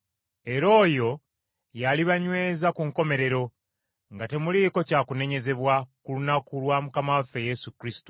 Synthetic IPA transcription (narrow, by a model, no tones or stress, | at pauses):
e̞ɾo̞ːjo̞ | jaliβaɲwe̞ːzakuŋko̞me̞ɾe̞ɾo̞ | ŋɡate̞muliːko̞caːkune̞ɲe̞ze̞βwakulunakulwaːmukamafe̞je̞sukɾisi̥to